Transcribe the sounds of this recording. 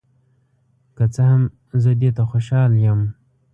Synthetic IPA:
kat͡saham | zəd̪et̪axoʃɑːljam

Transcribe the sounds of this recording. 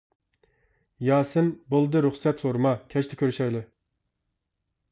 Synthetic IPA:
jɑːsɨnbolˠɨd̪ɨɾuχsɛt̪soɾmɑkʲʰɛt͡ʃt̪ʰɪ̥kʲʰøɾyʃɛjlɨ

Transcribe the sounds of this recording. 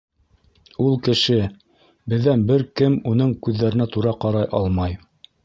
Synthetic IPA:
ulˠkɘ̆ʃɘ | bɘ̆ðːænbɘɾkɘmunɤɴkʉðːæɾɘ̆næt̪uɾɑqɑɾɑjʔɑlˠmɑj

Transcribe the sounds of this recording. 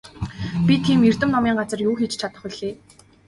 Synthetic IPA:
pʲit̪ʰːiːmir̥t̪ɘ̆mnɔmʲiːŋɢat͡sə̆rjuːxet͡ɕt͡ɕʰat̪ə̆χɵɮeː

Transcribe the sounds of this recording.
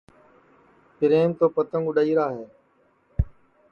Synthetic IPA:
pɪɾeːnt̪oːpət̪ə̃ŋɡʊɗəiːɾaːɦeː

